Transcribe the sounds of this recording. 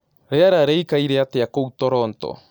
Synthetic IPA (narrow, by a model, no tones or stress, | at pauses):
ɾeaɾaɾeikaiɾeat̪eakout̪oɾoːnto̰